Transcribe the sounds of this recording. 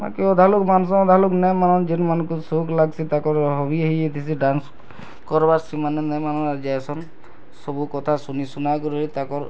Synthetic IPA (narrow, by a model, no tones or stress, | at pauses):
ma̰kiɔd̪ʱalukmans̬ɔ̃ɔd̪ʱaluknɛmanɔnd͡ʒinmanɔ̃kusuklaɡsit̪akɔɾɦɔbiaɦiet̪ʰis̬iɖans | kɔɾbaɾsɾimanɛnɛmanɔad͡ʒajsɔn | sɔbukɔt̪ʰasunisunakɔɾɔit̪akɔɾ